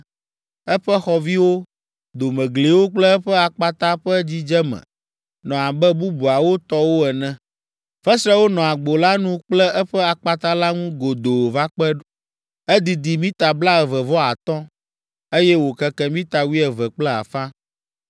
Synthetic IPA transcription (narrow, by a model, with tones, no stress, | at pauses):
ɛ˦ɸɛ˦xɔ˨vi˦wo˦ | d̪o˨mɛ̃˨ɡle˨wo˦k͡plɛ˦ɛ˦ɸɛ˦a˨k͡pa˦t̪a˦ɸɛ˦d͡ʑi˦d͡ʒɛ˦mɛ̰̃˨ | nɔ̃˨a˨bɛ˦bu˦bu˨a˨wo˦t̪ɔ˦wo˦ɛ˨nɛ̃˨ | fɛ˦sɾɛ˦wo˦nɔ̃˨a˨ɡ͡bo˨la˦nũ˦k͡plɛ˦ɛ˦ɸɛ˦a˨k͡pa˦t̪a˦la˦ŋũ˦ɡo˨d̪o˨va˦k͡pɛ˦ | ɛ˦d̪i˨d̪i˨mĩ˦t̪a˨bla˦ɛ˨vɛ˨vɔ˦a̰˨t̪ɔ̃˦ | e˦jɛ˦wo˨kɛ˦kɛ˦mĩ˦t̪a˨wi˦ɛ˨vɛ˨k͡plɛ˦a̰˨fã˦